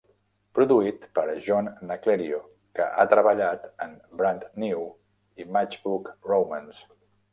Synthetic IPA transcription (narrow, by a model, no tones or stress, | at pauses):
pɾuðuit̪pəɾʒɔnːəkleɾio | kə̰ʔa̰t̪ɾəβəʎat̪əmbɾant̪niw | imat͡ʃbukrowməns